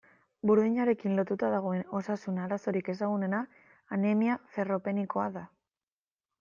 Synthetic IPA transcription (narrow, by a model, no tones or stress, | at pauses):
buɾðiɲaɾe̞kinlo̞t̪ut̪aðaɣ̞o̞e̞no̞sasunaɾaso̞ɾike̞s̬aɣ̞une̞naː | nemiafe̞ro̞pe̞niko̞aða